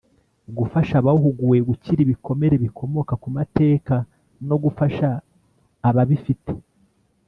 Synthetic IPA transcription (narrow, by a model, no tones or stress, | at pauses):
ɡufaʃaβauhuɡuje̞ɡuciɾiβiko̞me̞ɾe̞βikʰo̞mo̞kakumate̞ːka | no̞ɡufaʃaː | βaβifite̥